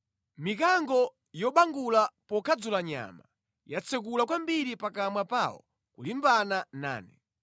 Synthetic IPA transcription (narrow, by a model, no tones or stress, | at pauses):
mik̬aŋɡɔ | jɔɓaŋɡulapɔkʰad͡zulaɲa̰ma | jat͡sʰɛk̬ulakwambiɾipakamwapawɔ̰ | kulimbanana̰ːnɛ